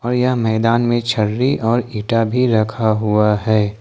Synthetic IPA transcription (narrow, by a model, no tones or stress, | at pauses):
ɔːɾjɐɦmɛːd̪aːnmẽt͡ʃʰəɾːiʔɔːɾiːʈabʱiɾɐkʰaɦʊaɦɛː